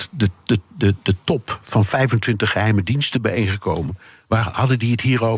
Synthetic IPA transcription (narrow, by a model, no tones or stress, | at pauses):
dəəədətɔpfɑnfɛjvəntʋɪntəχəɦɛjmədinstənbɛjejnχəkowmən | ʋaːhɑdəndiətɦiːro